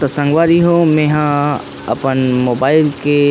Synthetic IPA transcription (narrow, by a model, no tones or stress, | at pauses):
t̪əsə̃ŋɡʋaːɾiɦomẽɦã | ɐ̰pənmoːbaːɪlke